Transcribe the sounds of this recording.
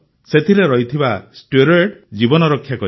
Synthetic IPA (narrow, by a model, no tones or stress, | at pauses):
set̪ʰiɾeɾɔɦjt̪ʰibasʈeɾeʈd͡ʒibɔnɔɾɔkʰːjakɔ